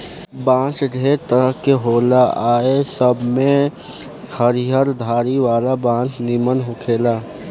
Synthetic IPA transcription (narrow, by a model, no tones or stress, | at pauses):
bãːt͡ʃɾet̪əɾəɦkeɦoːlaaːesəbmẽ | həɾiɦəɾd̪ʱaːɾiʋaːlabãːt͡ʃnimənɦʊkʰeːlaː